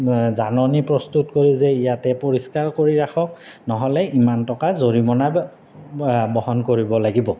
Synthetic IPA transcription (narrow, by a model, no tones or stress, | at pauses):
zanɔnipɹɔstutkoɹizɛijatɛpoɹiskaɹkoɹiɹakʰɔk | nɔɦɔlɛimantɔkazoɹimɔnaj | bɔɦɔnkoɹibɔlaɡibɔ